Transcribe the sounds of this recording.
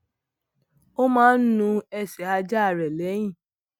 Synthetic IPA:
o˦mãː˦n̩˦nũ˧ɛ˦˨sɛ˨˦a˧d͡ʒa˦a˦˨ɾɛ˨lɛ˨˦j̃ĩ˦˨

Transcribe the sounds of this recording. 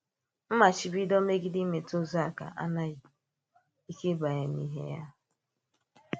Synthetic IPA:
m̩˦ma˨t͡ʃi˨bi˦dɔ˦me˦ɡi˦di˦me˨to˦za˦˨ka̰˨ʔa̰˦na˦ɣi˨ | i˦ke˦ba˨ja˨nḭ˦ɦḛ˦ja̰˦

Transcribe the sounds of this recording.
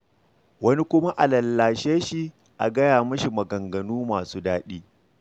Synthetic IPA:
wɐ˦ni˦kʷʊ˦ma˦ʔa˨lɐ˨lːaː˨ʃeː˦ʃi˦ | ʔa̰˨ɡɐ˦jaː˨mɐ˦ʃi˨mɐ˨ɡɐ˨ŋɡɐ˨nuː˦maː˨suː˦daː˦ɗiː˦

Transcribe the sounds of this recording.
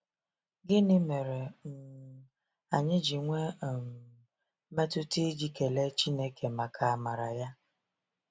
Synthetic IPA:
ɡɪ˦nɪ˦me˨ɾe˨n̩˨ | a˨ɲɪ˦d͡ʒi˨ŋʷe˦˨m˨ | me˦tʊ˦te˦d͡ʒi˦ke˨le˦t͡ʃi˦ne˦ke˨ma˨kʰa˨a˦˨ma˨ɾa˨ja˦

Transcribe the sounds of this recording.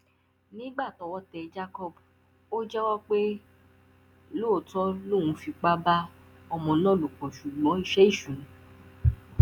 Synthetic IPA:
nĩ˦ɡ͡ba˦˨tɔ˨˧wɔ˦tɛ˧d͡ʒa˦kɔ˦˨b | o˦d͡ʒɛ˦wɔ˦k͡pe˦ | lo˦˨tɔ˦lõ˦˨ũ˨˧˦fi˧k͡pa˦ba˦ | ɔ˧mɔ̃˨nã˦˨lo˨k͡pɔ̃˨ʃu˨ɡ͡bɔ̃˨˦i˦˨ʃɛ˦i˦˨ʃũ˨˦

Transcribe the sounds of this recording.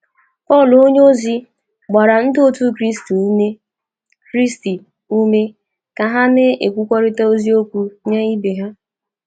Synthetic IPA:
pɔ˦˨lo˦ɲe˦o˦zi˦ | ɡ͡ba˨ɾa˨n̩˦do˦tu˦kɾi˦stu˨˦ne˦ | kɾi˦sti˨ | u˦me˦ | ka˨ɦa˦ne˦e˨kʷu˦kʷɔ˦ɾɪ˦ta˦o˦zi˦o˦kʷu˦ɲe˦i˦be˨ɦa˦

